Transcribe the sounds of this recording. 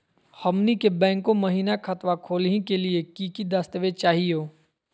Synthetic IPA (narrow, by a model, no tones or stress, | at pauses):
hɐmnikebɛ̃ːŋkːõmɐɦiːnakʰɐt̪ʋakʰoːlɦĩkeliekiːkid̪aːst̪ʋet͡ʃaːɦioː